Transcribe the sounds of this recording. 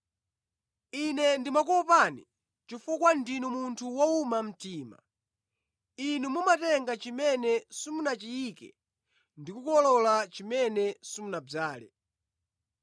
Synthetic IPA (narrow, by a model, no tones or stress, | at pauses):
inɛndimak̬ɔɔpani | t͡ʃifukwandinumuntʰuwɔumam̩tiːma̰ | inumumatɛŋɡat͡ʃimɛnɛsumunat͡ʃijikɛ̰ | ndikukɔlɔlat͡ʃimɛnɛsumunab͡ʐaːlɛ̰